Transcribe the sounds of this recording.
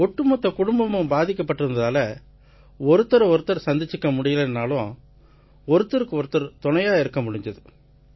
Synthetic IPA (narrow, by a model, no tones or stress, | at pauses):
ɔʈːɯmɔt̪ːɐkʊɽʊmbɐmɯmbaːðɪkːɐpːɐʈːɯɾɯnd̪ðaːlɐ | ɔɾɯt̪ːɐɾɔɾɯt̪ːɐɾsɐnd̪ɪt͡ʃːɯkːɐmʊɽɪjɐlɛnːaːlʊ̃ | ɔɾɯt̪ːɐɾɯkːɯɔɾɯt̪ːɐɾt̪ɔɳɐjaːɪɾɯkːɐmʊɽɪɲd̪ɐðɯ